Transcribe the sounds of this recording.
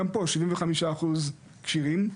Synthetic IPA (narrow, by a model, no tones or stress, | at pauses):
ampoʃivĩmveχamiʃaːχuz | kʃiʁim